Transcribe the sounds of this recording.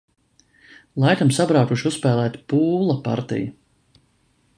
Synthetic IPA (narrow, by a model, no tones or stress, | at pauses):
lˠajk̪amsabɾawk̪uʃuspɛːlˠɛːt̪puːlˠapa̰ɾt̪ḭju